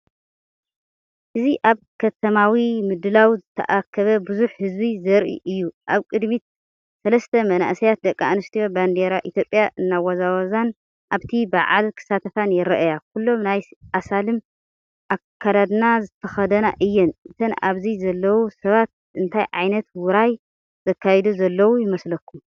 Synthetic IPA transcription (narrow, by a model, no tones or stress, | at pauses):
ʔɨziʔaβ | kʰɐt̪ʰɐmawimɨd̪ɨlawzɨt̪ʰɐ̰ʔakʰːɐβɐbɨzuħhɨzbizɐɾʔḭʔɨjːuʔaβkʼɨd̪mit̪̚ | sɐlɐst̪ʰɐmɐna̰ʔsijat̪̚d̪ɐkʼːaanɨst̪ʰijoband̪eɾaʔit̪ʰjo̞pʼːjaʔɨnːawɐzawɐzan | ʔaβt̪ʰibaʕa̰lkʰɨ̥sat̪ʰɐfanjɛɾɐʔajakʰulːo̞mnajʔasalɨm | ʔakʰːad̪ad̪nazɨt̪ʰɐxɐd̪ɐna̰ʔɨjːɛnʔɨt̪ʰɐnaβzizɐlːɐwusɐβat̪̚ | ʔɨnt̪ʰajʕajnɐt̪wʊɾaj | zɐkʰːajɛd̪uzɐlːɐwujɪmɐslɐkʰːum